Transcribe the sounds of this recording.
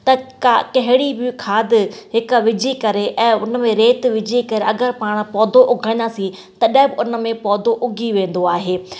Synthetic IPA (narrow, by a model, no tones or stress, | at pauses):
t̪ɐkakɐɦɪɽibɪkʰaːd̪ɦɪkʋɪd͡ʑikɐɾeʔɛ̃ːʊnmẽɾeːt̪ʋɪd͡ʑʱikɐɾeɐɡəɾpaːɽ̃pɔːd̪ʱoʔʊɡʱə̃ĩnasĩ | t̪ɐɗɐ̃ɦɪ̃bɪʊnə̆mẽpɔːd̪ʱoʔʊɡʱiʋẽːn̆d̪oaːɦeː